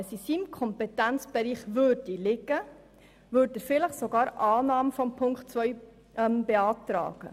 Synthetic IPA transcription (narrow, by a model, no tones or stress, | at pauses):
sisiːmkʰɔmpetænt͡sb̥ɛɾiːχʋøːɾdilɪɡə | vøːɾdəɾfɪləχsoɡɑːɾʔɑːnɑːməfɔmpʰʊŋktt͡svœʏ | mbeɑːtɾɑ̰ːɡ̥ə̰